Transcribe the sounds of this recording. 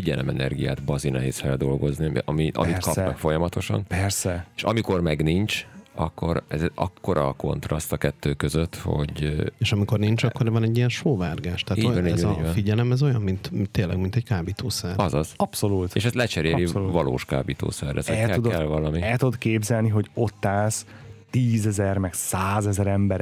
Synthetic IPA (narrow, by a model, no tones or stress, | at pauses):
fiɟɛlɛ̰mɛnɛ̰rɡija̰ːt̪bɒzinɛ̰ɦeːsfɛld̪o̞lɡo̞zniḭʔɒmiʔɒ̰mitkɒpmɛkfo̞jɒmɒt̪o̞ʃɒ̰npɛrsɛeʃɒmiko̞rmɛɡnint͡ʃɒkːo̞ɾɛzɒkːo̞ɾɒko̞̰nt̪ɾɒst̪ɒkɛt̪ːøːkøzøt̪ːho̰ɟeːʃɒmiko̞rniɲt͡ʃɒkːo̞rvɒnɛɟːijɛnʃoːvaːrɡaːʃt̪ɛːojɛɛɒfiɟɛlɛmɛzo̞jɒnmint̪t̪ːeːlɛ̰ɡmint̪ɛɟkaːbit̪ʰoːsɛrɒzɒz̥ɒpso̞luːt̪ḛʃɛst̪lɛt͡ʃɛɾeːɾivɒlo̰ːʃka̰ːbit̪o̰ːsɛrːɛ̰soɛud̪ɛlvɒlɒmiɛlt̪ud̪keːbzɛlniɦo̞ɟo̞t̪ːaːst̪iːzɛzɛrmɛɡsaːzɛzɛɾɛmbɛɾ